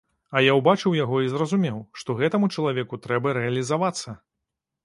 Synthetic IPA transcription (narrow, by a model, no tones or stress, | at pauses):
ɐjawbat͡ʂɨwjaɣɔizrɐzumʲɛwʂt̪ɔɣɛt̪ɐmut͡ʂɐlˠavʲɛkut̪ɾɛbɐɾɛɐlʲizavat̪sːɐ